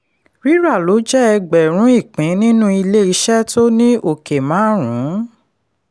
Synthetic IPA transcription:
ɾi˦ɾa˦˨lo˨˦d͡ʒɛ˦ɛ˧ɡ͡bɛ˨ɾ̃ũ˨˦i˦˨k͡pĩ˨˦nĩ˦nũ˦i˧le˦i˧ʃɛ˦to˦nĩ˦ʔo˨ke˨mãː˨˦ɾ̃ũ˨˦

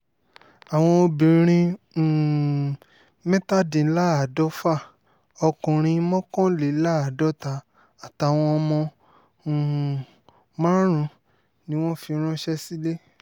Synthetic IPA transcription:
a˨w̃ɔ̃˧o˧bĩ˨ɾ̃ĩ˧˨ | mɛ˦ta˦dĩ˨˦la˦a˨dɔ˦fa˦˨ | ɔ˧kũ˨ɾ̃ĩ˧˦mɔ̃˦kɔ̃˦le˨˦la˦a˨dɔ˦ta˧ | a˨ta˨˧˨w̃ɔ̃˧ɔ˧mɔ̃˧˨ | mã˦ɾ̃ũ˧˦ | nĩ˦w̃ɔ̃˦fi˧ɾ̃ɔ̃˦ʃɛ˦si˦le˦

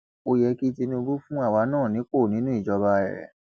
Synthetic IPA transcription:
o˧jɛ˧ki˦ti˧nĩ˧bu˦fũ˦a˦˨wa˨˧˦nãː˦˨nĩ˨˦k͡po˦˨nĩ˦nũ˦i˦˨d͡ʒɔ˧ba˧ɛ̰˨

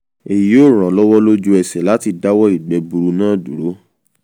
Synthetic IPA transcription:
e˨ji˨˦o˦˨ɾ̃ã˨˦lɔ˦wɔ˦lo˦d͡ʒu˦ɛ˨sɛ˨la˨˦ti˧da˦wɔ˦i˦˨ɡ͡bɛ˨bu˧ɾu˧nãː˦˨du˨ɾo˨˦

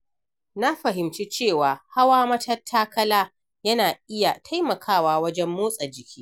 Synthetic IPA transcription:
na˦ɸɐ˨ɦɪ˨mt͡ʃi˦t͡ʃeː˦˨waː˨ha˦waː˦mɐ˦tʰɐ˦rtʰːaː˦kɐ˦laː˦ | jɐ˦naː˨ʔɪ˦ja˨tʰa˦jmɐ˨kʰaː˦waː˦˨wɐ˦d͡ʒɛ˦mːoː˦sʼɐ˨d͡ʒɪ˨kʲiː˦

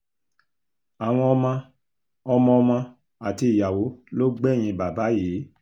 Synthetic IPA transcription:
a˨w̃ɔ̃˧ɔ˧mã˧ | ɔ˧mɔ̃˧ɔ˧mã˧ | a˨ti˧i˨ja˨wo˨˦lo˦ɡ͡bɛ˦˨j̃ĩ˧ba˨ba˨˦je˨˦

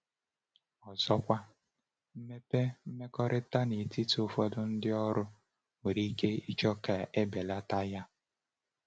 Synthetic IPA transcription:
ɔ˨zɔ˦kʷa˦ | m̩˦me˦pe˦m̩˦me˦kɔ˦ɾɪ˦ta˦ni˨ti˦tʊ˦fɔ˦dʊ˦n̩˦dɪ˦ɔ˦ɾʊ˦ | we˨ɾi˦ke˦i˦t͡ʃɔ˦ka˨e˦be˨la˦ta˦ja˦

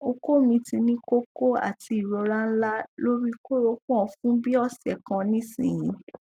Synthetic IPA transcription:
o˧ko˦mĩ˧ti˧nĩ˦ko˦ko˦a̰˦˨ti˧i˨ɾɔ˧ɾã˦n̩˦la˦lo˦ɾi˦ko˦ɾo˧˦kũ˦ɔ̃˨˧fũ˦bi˦ɔ˦˨sɛ˨kã˧nĩ˦sḭ̃˦˨j̃ĩ˨˦

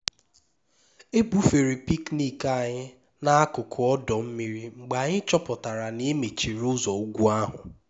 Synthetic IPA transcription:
e˦bu˨fe˨ɾi˨pi˦kni˦ka˦a˨ɲɪ˦ | na˦a˦kʊ˨kʰʊ˨ɔ˦dɔ˨m̩˦mi˨ɾi˦ŋ͡m̩˨ɡ͡ba˨ɲɪ˦t͡ʃɔ˦pɔ˨ta˨ɾa˨ne˦e˦me˨t͡ʃi˨ɾʊ˦zɔ˨u˦ɡʷu˦a˦ɦʊ˨

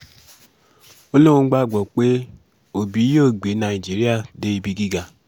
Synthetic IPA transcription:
o˦lo˦ŋŋ͡m̩˦ɡ͡ba˦˨ɡ͡bɔ˨k͡pe˦ | o˨bi˨˦jo˦˨ɡ͡be˨˦na˨i˨d͡ʒi˦ɾi˦a˦˨de˦˨bi˦ɡi˦ɡa˨

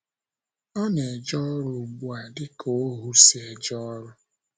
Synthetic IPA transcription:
ɔ˦ne˨d͡ʒɔ˦ɾʊ˨bwa˨dɪ˦ko˨˦ɦu˦se˨d͡ʒɔ˦ɾʊ˦

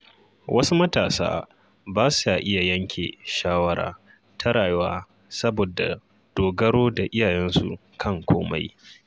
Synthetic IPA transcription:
wʔɐ˦su˦mɐ˦taː˨sa̰ː˦ | baː˦su˨a˨ʔɪ˦ja˨jɐ˦ŋkʲʰḛː˨ʃaː˦wɐ˦ɾa̰ː˨ | tʰɐ˦ɽaː˨jwaː˦ | sɐ˦boː˨da̰˨ | d̥oː˨ɡɐ˦ɽoː˦da˨ʔɪ˦jaː˨jɛ˦nsṵ˨kʰɐ˦˨ŋkʷoː˦ma̰˦j

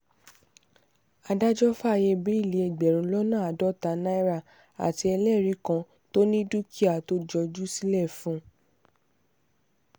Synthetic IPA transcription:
a˧da˦d͡ʒɔ˦fa˦a˦˨je˧bi˨˦i˦˨le˨˦ɛ˨ɡ͡bɛ˨ɾ̃ũ˧˦lɔ˦nã˦˨a˨dɔ˦ta˨˦na˦i˦ɾa˦˨ | a̰˨ti˨˧ɛ˧lɛ˦˨ɾi˨˦kã˧ | to˦nĩ˦du˦ki˦a˦˨to˦d͡ʒɔ˧d͡ʒu˦si˦lɛ˦˨fũ˦

